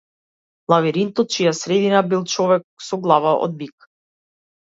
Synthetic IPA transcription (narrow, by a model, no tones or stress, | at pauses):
lˠaviɾint̪ɔt̪̚t͡ʃijasɾɛd̪inabilˠt͡ʃɔvɛk̚sɔɡlˠavaʔɔ̰d̪̚bik